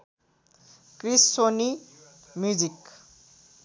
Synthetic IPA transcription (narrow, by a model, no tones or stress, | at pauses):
krisːoni | mjud͡zik